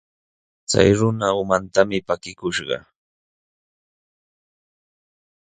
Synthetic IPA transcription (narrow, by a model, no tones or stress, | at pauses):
t͡sa̰jɾʊnaʊmant̪amɪpakɪkʊʃɢɑ̰